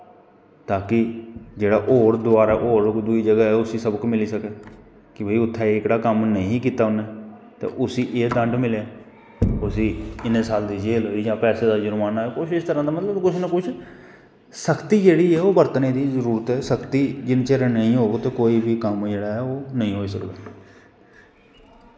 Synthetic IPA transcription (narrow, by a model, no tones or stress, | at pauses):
t̪aːkɪd͡ʒeːɽaːʔoːɾd̪ʊaːɾaːʔoːɾd̪ʊiːd͡ʒəɡaːɛːʊsiːsəbkmɪliːsəkeː | kɪbʱiːʊt̪ʰːɛːɪkɽaːkəmnəĩːkiːt̪aːʊnɛː | t̪ḛːʔʊsiːʔeːd̪ə̃ɳɖmɪleː | ʊsiːɪnesaːld̪iːd͡ʒeːlɦoːiːd͡ʒãːpɛːseːd̪aːd͡ʒʊɾmaːnaːɛkʊt͡ʃʰɪst̪əɾãːd̪aːmət̪ləbkʊt͡ʃʰnəkʊt͡ʃʰ | səkt̪iːd͡ʒeːɽiːɛːoːbəɾt̪ənẽːd̪iːzəɾuːɾət̪ɦɛːsəkt̪iːd͡ʒɪnt͡ʃeɾənəĩːɦoːɡot̪eːkoːiːbʱiːkəmd͡ʒeːɽaːɛːoːnəĩːɦoːiːsəkd̪a̰ː